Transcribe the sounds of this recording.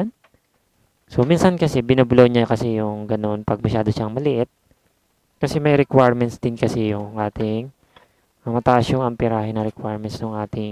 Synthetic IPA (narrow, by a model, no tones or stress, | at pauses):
n | so̞minsɐnkɐsɛbɪnɐbloɲakɐsɛjʊŋɡɐno̞npɐɡ̚mɐʃaːd̪oʃaŋmɐlɪʔɪt̪̚ | kɐsɛmɐjɾɛkwajɹmɛnsd̪ɪnkɐsɛjʊŋʔaːt̪ɪŋ | mɐmɐt̪aʔɐsjʊŋɐmpɪɾaːhɪnɐɾɛkwaɹmɛnsnʊŋʔaːt̪ɪŋ